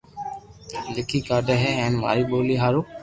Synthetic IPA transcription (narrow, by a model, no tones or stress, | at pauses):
lɪkʰiːkaːɾɖəɦɛːɛ̃ːnʋa̰ːɾiːɓoːliːɦaːɾuː